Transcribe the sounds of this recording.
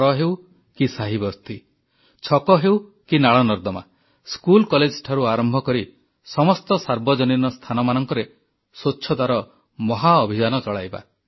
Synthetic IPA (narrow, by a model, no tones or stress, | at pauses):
ɔɦew | kisaɦibɔst̪ʰi | t͡ʃʰɔkɔɦewkinaɭɔnɔɾd̪ɔma̰ | skulkɔled͡ʒʈʰaɾuaɾɔmbʱɔkɔɾi | sɔmɔst̪ɔsaɾbɔd͡ʒɔninɔst̪ʰanɔmanɔŋkɔɾe | soːt͡ʃʃʰɔd̪aɾɔ | mɔɦaɔbʱid͡ʒanɔt͡ʃɔɭajba̰